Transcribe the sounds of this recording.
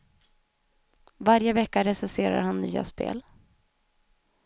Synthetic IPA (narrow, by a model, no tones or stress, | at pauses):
vaɾjəvɛkːaɾɛsɛseːɾa̰ɾhanːy̰ːa̰spḛːl